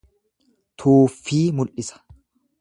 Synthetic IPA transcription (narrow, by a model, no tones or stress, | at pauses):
t̪ʰuːfːiːmʊlʔɪsɐ̥